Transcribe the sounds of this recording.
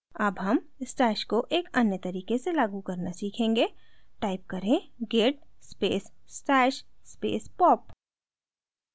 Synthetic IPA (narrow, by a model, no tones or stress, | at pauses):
ɐbɦɐm | ɪsʈaːʃkoʔeːkɐnjət̪ɐɾiːkeselaːɡukɐɾnasiːkʰẽːŋɡeʈaːɪp̚kɐɾẽɡeːʈ̚speːssʈaːʃspḛːspɔːp